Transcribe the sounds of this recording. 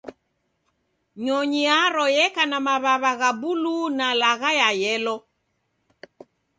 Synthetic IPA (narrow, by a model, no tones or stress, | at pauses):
ɲɔɲiaɾɔjɛkanamaβaβaɣabulunalaɣajajɛlɔ